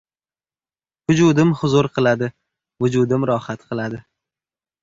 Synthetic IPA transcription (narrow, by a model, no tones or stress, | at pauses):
vʊd͡ʒʊd̪ɪmhʊzʊɾqʰɨlˠad̪ɪ | vʊd͡ʒʊd̪ɪmɾɒhat̪qʰɨlˠad̪ɪ